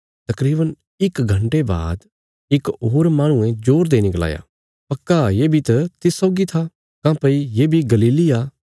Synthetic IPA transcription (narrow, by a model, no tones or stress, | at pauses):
t̪ɐkɾiːbən | ɪkɡʱɐ̃ɳʈeba̰ːd̪ | ɪkoːɾmaːɽ̃ʊ̃ẽd͡ʒoːɾd̪enɪkla̰ːja̰ː | pɐkːajeːbʱit̪ɐt̪ɪsːɔːɡit̪ʰa | kãːpəijeːbʱiɡɐliːliaː